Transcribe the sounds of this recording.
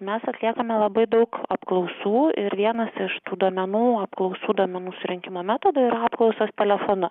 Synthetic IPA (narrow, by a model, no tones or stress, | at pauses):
mʲɛsɐt̪ʲlʲiɛkɐmʲɛlˠɐbɐɪd̪ɐʊkɐpklˠɒʊsuːɪɾʋʲiɛnɐsɪʃt̪uːd̪oɔmʲɛnuːɐpklˠɔʊsuːd̪uɔːmʲɛnuːsʊɾʲɪŋʲkʲɪmoːmʲæt̪oːd̪oːɪɾɑːpklˠɒʊsost̪ʲɛlʲɛfoːnʊ